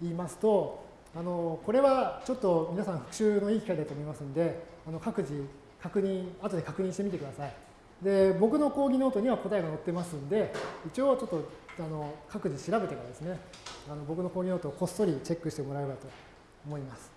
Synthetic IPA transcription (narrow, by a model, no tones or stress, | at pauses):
iːmasɨ̥t̪o̞ | ano̞ko̞ɾe̞βat͡ɕo̞t̪ːo̞mʲinasãɸɯ̟̥kɯ̥ɕɨːno̞iːkʲikaid̪at̪oːmo̞imasɨ̃nd̪e̞ | ano̞kakɯ̟ʑi | kʰakɯ̟ɲ̟ĩat̪o̞d̪e̞kakɯ̟ɲ̟ĩɕit̪emit̪ekɯd̪asai | d̪e̞bo̞k̬ɯ̟no̞ko̞ːɡʲino̞ːt̪o̞ɲ̟iβako̞t̪aeɡano̞t̪ːe̞masɨ̃nd̪e̞it͡ɕio̞t͡ɕo̞t̪ːo̞ano̞kʰakɯ̟ʑiɕiɾabe̞t̪e̞kaɾad̪esɨne̞ano̞bo̞kɯ̟noko̞ːɡʲino̞ːt̪oːko̞st̪o̞ɾʲit͡ɕe̞kːɯ̟ɕi̥t̪emo̞ɾaebat̪o̞ː | mo̞imasɨ̥